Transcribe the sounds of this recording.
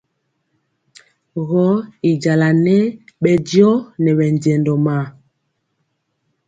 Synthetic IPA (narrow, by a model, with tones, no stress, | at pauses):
ɣɔ˦i˨d͡ʒa˨la˨nɛ˦ɓɛ˨djɔ˦nɛ˨ɓɛ˨n˨ɟɛ˨ndɔ˨ma˨